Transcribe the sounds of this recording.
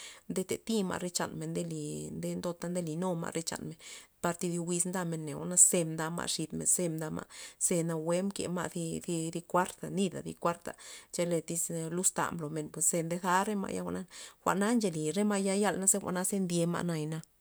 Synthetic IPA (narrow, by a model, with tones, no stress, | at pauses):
nd̪e˧t̪e˨t̪i˦ma̰˧ʔɾe˧t͡ʃa̰˨nme˨nd̪e˧li˨nd̪e˧nd̪o˧t̪a˧nd̪e˦˧li˨no˦˧ma̰˧ɾe˧t͡ʃa̰˨nme˨npa˧ɾt̪i˧d̪i˧wi˧snd̪a˧me˧nːe˨a̰˧˦na˧se˧md̪a˧ma̰˧ʂi˧t̪mḛ˨nse˧md̪a˧ma̰˧ʔse˧na˧we˦mkḛ˨ma̰˧ʔd̪i˧d̪i˧di˧kʷa˦ɾt̪a˨ni˧d̪a̰˨d̪ḭ˧kʷa˦ɾt̪a̰˨t͡ʃe˧le˧t̪i˧slu˦st̪a̰˨mblo˨me˧˨npwe˨sse˧nd̪e˧da˧˦ɾe˦ma̰˧ʔja˦a̰˧ʔna˦xʷa̰˨ʔna˦nd͡ʒe˧˨li˨ɾe˦ma˧ja˧ja˧lna˦se˦xʷa̰˨ʔna˦se˧nd̪je˧ma̰˧na˧jna˧